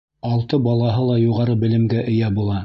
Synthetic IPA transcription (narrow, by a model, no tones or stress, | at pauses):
ɑlˠt̪ɤbɑlˠɑɦɤlˠɑjuʁɑɾɤbɘ̆lɘ̆mɡæʔɘ̆jæbulˠɑ